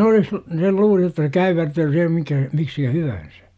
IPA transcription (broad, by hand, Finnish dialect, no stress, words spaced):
olis l sel luːli jotːɑ se kæyʋertyː sihem mikæ miksikæ hyʋæn̞sæ̥